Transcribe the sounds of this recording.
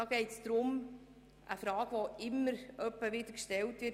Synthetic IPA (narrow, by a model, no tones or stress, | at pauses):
ɑɡ̥ɛɪtsd̪̥ɾʊm | ʔəfɾɑːɡ̥ʋoɪmːəɾœpːəʋɪd̥̪əkʃtɛltʋɪ